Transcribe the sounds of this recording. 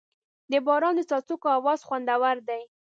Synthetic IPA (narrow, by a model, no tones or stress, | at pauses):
d̪əbɑɾɑnd̪ət͡sɑt͡sukoawɑz̥xwand̪awaɾd̪aj